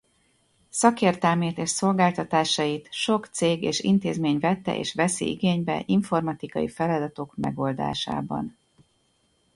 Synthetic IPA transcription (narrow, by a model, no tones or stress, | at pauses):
sɒkeːrt̪ɛlmeːt̪eːʃso̞lɡaːlt̪ɒt̪aːʃɒjit̪ʃo̞kt̪seːɡḛːʃḭnt̪eːzmeːɲvɛt̪ːɛ̰ʔḛːʃvɛsḭḭɡeːɲbɛ̰ʔiɱformɒt̪ikɒjifɛlɒd̪ɒt̪o̞kmɛ̰ɡo̞ld̪a̰ːʃa̰ːbɒ̰n